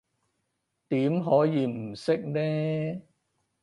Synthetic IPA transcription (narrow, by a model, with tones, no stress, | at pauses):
t̪iː˨˥mɦɔː˨˥jiː˨˧m̩˨˩sɪ˥k̚nɛː˥